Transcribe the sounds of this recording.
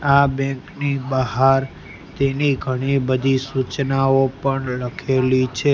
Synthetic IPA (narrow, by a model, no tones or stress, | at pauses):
abɛ̃ŋknibəɦaɾ | t̪eniɡʱəɽ̃ibəd̪ʱisut͡ʃnaopəɳləkʰelit͡ʃʰe